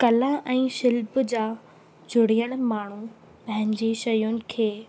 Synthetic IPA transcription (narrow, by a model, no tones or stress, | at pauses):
kɐlãʔɛ̃ːʃɪlbd͡ʑaː | d͡ʑʊɽ̤ijəɽ̃maːɳ̤u | pɐ̃ɦɪ̃ɲɪd͡ʑeʃɐjʊnɪ̆kʰeː